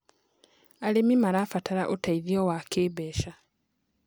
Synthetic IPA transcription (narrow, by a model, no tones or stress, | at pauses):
alimimalafatʰalaʔotaiðiowakʰiːβeːʃa